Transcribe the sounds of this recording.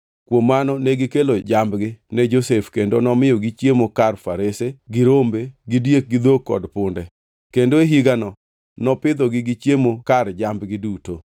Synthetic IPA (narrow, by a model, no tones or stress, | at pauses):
kwomːanɔnɛɡɪkelod͡ʒambɡɪnɛd͡ʒosefkendonɔmɪjɔɡit͡ʃjemokarfaɾeseɡɪɾombeɡɪdjek̚ɡɪd̪okːɔ̰dpʊndɛ | kendoeɦiɡanɔ | nɔpɪd̪ɔɡɪɡɪt͡ʃjemokard͡ʒambɡɪduto